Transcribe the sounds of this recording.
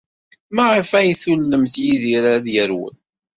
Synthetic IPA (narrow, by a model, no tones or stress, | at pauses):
mæʕəfæjθulːəmθjiziɾaðjəɾwə̰n